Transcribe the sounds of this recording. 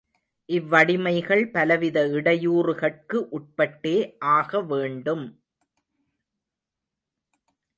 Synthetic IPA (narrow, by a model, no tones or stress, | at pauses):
ʔɪʋːɐɽɪmɐɪɣɐɭpɐlɐʋɪðɐɪɽɐjuːɾɯɣɐʈ̚kɯʔʊʈ̚pɐʈːeːʔaːɣɐʋeːɳɖɯm